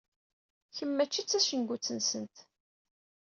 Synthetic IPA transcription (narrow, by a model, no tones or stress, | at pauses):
çəmːæt͡ʃːit͡sːæʃənɡʷut͡sːənsənt̪